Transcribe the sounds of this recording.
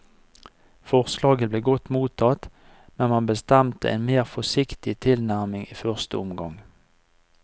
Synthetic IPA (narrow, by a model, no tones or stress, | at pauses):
fɔʁslɑːɡəbleːɡɔt̪muːt̪ʰɑt̪ | mɛnmɑnbəst̪ɛmt̪ə̰ʔḛːnmeːʁfɔsɪkt̪ɪt̪ʰɪlnæʁmɪŋiːfœʁst̪əɔmɡɑŋ